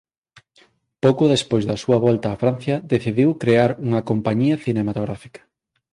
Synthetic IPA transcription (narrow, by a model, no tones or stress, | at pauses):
powkʊðespojzðɐsuɐβɔlt̪ɐːfɾan̟θjɐðeθiðiwkɾeaɾuŋɐkompaɲiɐθinemat̪oɣɾafi̥kɐ̥